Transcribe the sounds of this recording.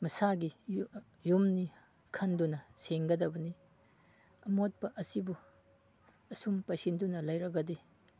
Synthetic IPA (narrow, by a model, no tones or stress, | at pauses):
mɐsaɡi | jumni | kʰɐndunɐseŋɡɐdɐbɐni | ɐmot̚pɐʔɐsibu | ɐsumpajsindunɐlɐjɾɐɡɐdi